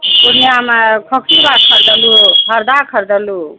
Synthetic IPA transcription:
puɾniamakʰɔkʰsibakʰəɾd̪əluɦʌɾd̪akʰəɾd̪əlu

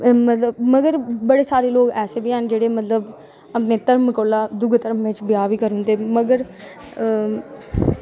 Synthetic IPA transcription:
mət̪ləbməɡəɾbəɽeːsaːɾeːloːkɛːseːbiːɦənd͡ʒeːɽeːmət̪ləb | əpneːt̪əɾmkoːlaːd̪ʊɡt̪əɾmʋɪt͡ʃbɪjaːʋiːkəɾɦʊ̃nd̪eːməɡəɾ

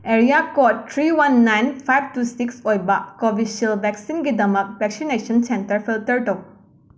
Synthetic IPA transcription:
eɾijakɔttʰɾiwanːajnpʰajb̚tusiksojbakɔbisiəlbɛksinɡid̪ɐmɐk̚bɛksinesənsentəɾpʰilt̪əɾʈo

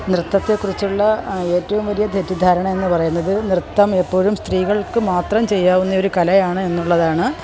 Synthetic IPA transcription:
nrɨt̪ːɐt̪ːekːurit͡ɕːuɭːɐe̞ːtːɐʋumʋɐlijɐd̪ʱetːid̪ʱaːɾɐɳɐme̞nːɨpɐrɐjunːɐðɨnrɨt̪ːɐme̞pːo̞ːɻumst̪riːɣɐɭkɨmaːt̪rɐmt͡ɕe̞jːaːʋunːɐo̞ɾukɐlɐjaːɳɨe̞nːuɭːɐðaːɳɨ

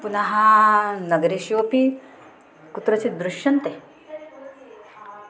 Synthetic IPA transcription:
punaɦanəɡɾeɕiʋopi | kut̪ɾət͡ɕid̪ɾuɕjənt̪e

